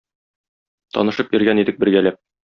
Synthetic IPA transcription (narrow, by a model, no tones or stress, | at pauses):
t̪ɒ̰nɤ̆ʃɤpjɵ̆ɾɡænid̪ɘk̚bɘ̆ɾɡælæp̚